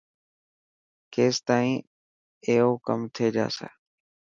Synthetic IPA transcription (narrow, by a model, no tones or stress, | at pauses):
keːst̪aːĩː | eːɦoːkəmt̪ʰeːd͡ʒa̰ːsḛː